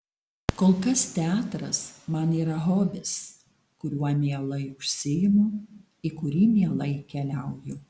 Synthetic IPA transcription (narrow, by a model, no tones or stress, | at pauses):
koːlˠkɐst̪ʲɛɑːt̪ɾɐsmɐniːɾɐɣoːbʲɪs | kʊɾʲuɔmʲiɛlˠɐɪʊʃʲsʲɪjɪmo | ɪkʊɾʲiːmʲiɛlˠɐɪkʲɛlʲæʊjo